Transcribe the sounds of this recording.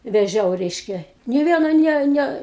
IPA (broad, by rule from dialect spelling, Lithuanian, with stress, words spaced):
ʋʲɛˈʒʲɛʊ ˈrʲɛɪʃʲkʲɛ nʲeː ˈʋʲiɛnɐ ˈnʲɛ ˈnʲɛ